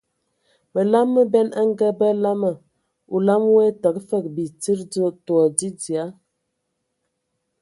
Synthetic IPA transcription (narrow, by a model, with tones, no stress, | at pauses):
mə˨la˦mːə˦bɛ˦nə˦ŋ˦ɡə˦bə˦la˦mə˨ | u˨la˦m˦we˦tə˨kfə˦˨k̚bi˨t͡si˦ɾd͡zə˦twɔ˨di˦d͡zi˨a˨˦